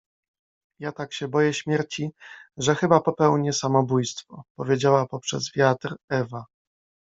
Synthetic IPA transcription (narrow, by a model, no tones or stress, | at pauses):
jat̪akɕɛbɔjɛɕmʲjɛɾt͡ɕiʐɛxɘbapɔpɛwɲɛsamɔbujst̪fɔpɔvʲjed͡ʑawapɔpʂɛ̰zvʲjat̪ɾɛva